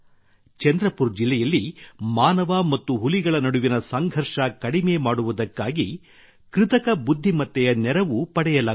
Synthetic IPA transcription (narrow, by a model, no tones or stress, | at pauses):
t͡ʃɛnd̪ɾɐpuɾd͡ʒilːɛjɐlːimaːnɐʋɐmɐt̪ːuɦuliɡɐɭɐnɐɽuʋinɐsɐŋɡʱɐɾʂɐkɐɽimeːmaːɽuʋud̪ɐkːaːɡi | kɾɪt̪ɐkɐbud̪ʱːimɐt̪ːɛjɐnɛɾɐʋupɐɽɛjɐlaː